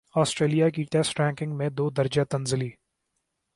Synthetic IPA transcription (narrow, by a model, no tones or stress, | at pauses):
ɔːsʈɾeːlijak̬iʈeːsʈɾɛ̃ːŋkɪ̃ŋɡmẽd̪oːd̪ɐɾd͡ʒat̪ɐnzɪliː